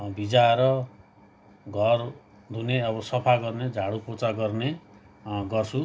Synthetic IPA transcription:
bid͡zaeɾʌ | ɡʱʌr | d̪ʱuneʌbʌsʌpʰaɡʌrned͡zʱaɽupot͡saɡʌrne | ɡʌrt͡sʰu

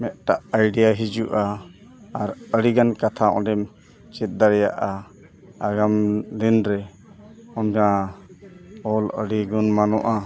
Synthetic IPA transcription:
mɛʔ̪̚ʈaʔajɖijaɦid͡ʒuʔaː | ɾəɽiɡankat̪ʰaɔ̰̃ɖɛm | t͡ʃɛt̪̚ˀd̪aɾɛjaʔa | aɡamlinɾɛ | ɔnɡã | ɔlə̰ɽiɡunmanɔ̰ʔa

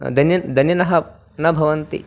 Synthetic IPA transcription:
d̪ɐnjɐnd̪ʱɐnjɐnɐɦɐ | nɐbʱɐʋɐnt̪ḭ

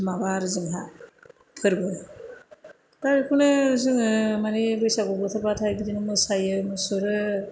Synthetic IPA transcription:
mabaɾɯzɯŋɦa | pʰɯɾbɯ | taɾɯkʰunɯzɯŋɯmanibɯjsaɡɔbɔt̪ʰɯɾbatʰajɡidinɯmɯsajɯmɯsɔɾɯ

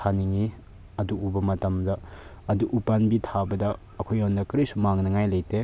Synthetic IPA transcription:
aniŋi | ɐduubɐmɐtɐmdɐː | duʔupanbitʰabɐdɐː | kʰojondɐkɾijsumaŋnɐŋajlɐjte

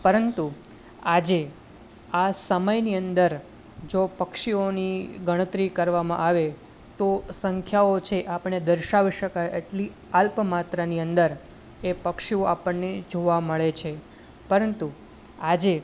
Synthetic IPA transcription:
pəɾənt̪u | ad͡ʒe | asəməjniənd̪əɾ | d͡ʒopəkʃioniɡəɽ̃ət̪ɾikəɾʋamã̰ʔaʋe | t̪osəŋkʰjaot͡ʃʰeʔapəɳed̪əɾʃaʋiʃəkajeʈli | alpəmat̪ɾaniənd̪əɾ | epəkʃioapəɳːed͡ʒoʋaməɭet͡ʃʰe | pəɾənt̪u | ad͡ʒe

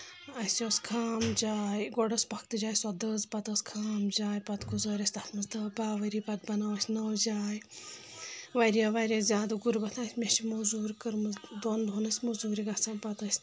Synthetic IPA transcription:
ɐsjoskʰaːmd͡ʒaːjɡɔɖɐsʲpɐk̚ʰt̪ɨd͡ʒaːjswɐd̪ɐzpɐt̪ɐskʰaːmd͡ʒaːjpɐt̪kuzoːɾʲɐsʲt̪ɐt̪ʰmɨsd̪ɐbaːʋɐɾiːpɐt̪̚bɐnaːʋɐsʲnɐwd͡ʒaːj | ʋɐɾijaʋɐɾʲazʲaːd̪ɐɡuɾbɐt̪ʰãsʲmʲɐʃimɐzuːɾkɨɾmɨd̪oːnd̪ʱunɐsʲmɐzuːɾiɡasɐpɐt̪ɐsʲ

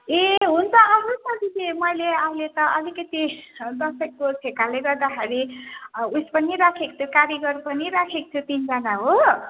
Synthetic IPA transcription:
eɦunt͡sʰʌʌbusʌtisʰemʌjleailet̪ʌʔʌlikʌt̪id̪ʌsʌk̚kot͡sʰekaleɡʌrd̪axeɾi | uspʌniɾakʰekt̪ʰokaɾjʌɡʌrpʌniɾakʰekt̪ʰot̪ind͡zanaɦo

